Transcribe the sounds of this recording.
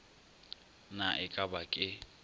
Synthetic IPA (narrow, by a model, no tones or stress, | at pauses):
naʔɪkʼabakʼɪ